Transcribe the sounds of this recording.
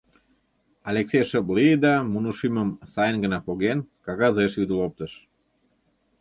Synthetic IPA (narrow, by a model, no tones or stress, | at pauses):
ɑlʲeksʲejʃəblid̪ɑmunuʃiməmsɑjənɡənɑpoɣenkɑɣɑzeʃβʲid̪əlop̚t̪əʃ